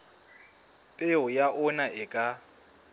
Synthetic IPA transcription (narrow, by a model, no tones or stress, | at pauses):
pʼɪʊjaʔʊnaɪkʼa